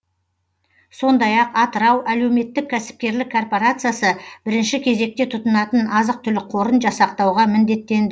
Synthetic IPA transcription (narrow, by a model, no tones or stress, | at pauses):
so̞nd̪ɑjɑqɑt̪əɾɑwʔæle̞wme̞t̪ːɪkʲʰːæsɪ̥p̚kʲe̞ɾlɪkʰːo̞rpo̞ɾat̪sɨjasəb̥ɪɾɪnʃɪkʲʰe̞ze̞k̚t̪e̞t̪ʰʊt̪ənɑt̪ənɑzəq̚t̪ʰʏlɪqʰo̞ɾənʒɑsɑq̚t̪ɑwʁɑmɪnd̪e̞t̪ːe̞nd̪ɪ